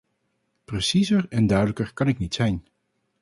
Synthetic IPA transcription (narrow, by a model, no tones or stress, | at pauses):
prəsizəɹɛndœɥdələkəɹkɑnɪknitsɛjn